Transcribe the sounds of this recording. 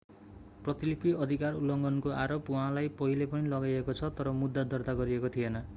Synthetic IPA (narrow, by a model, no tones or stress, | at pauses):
prʌt̪ilipiʌd̪ʱikarulːʌŋɡʌnkoʔaɾopuɦãlajpʌɦilepʌnilʌɡajekot͡sʰʌt̪ʌɾʌmud̪ːad̪ʌrd̪aɡʌɾiekot̪ʰijenʌ